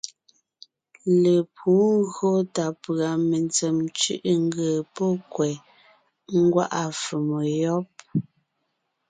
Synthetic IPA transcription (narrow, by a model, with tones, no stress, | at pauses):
le˨pʰuː˨˦ɣɰo˦ta˨pɰa˨me˨nt͡se˨mt͡ʃʉ̰˦ʔŋ˦ɡə˨pɔ˦kwɛ˨ | ŋ̩˦ɡwa̰˦ʔa˨fu˨mo˨jɔ˦p̚